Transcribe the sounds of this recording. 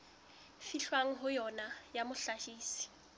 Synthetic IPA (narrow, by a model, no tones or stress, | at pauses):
fiɬwaŋ̩ɦʊjɔnajamʊɬaʃiːsi̥